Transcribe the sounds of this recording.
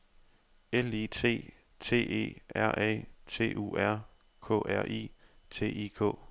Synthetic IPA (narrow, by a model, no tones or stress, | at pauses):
elit͡sʰe̝̰ː | t͡sʰe̝̰ːe̝̰ːʔæɐ̰ʔɛ̰ːt͡sʰe̝̰ːʔṵːæɐ̰ | kʰɔ̰ːʔæɐ̰ʔḭːt͡sʰe̝̰ːikʰɔ̰̽ː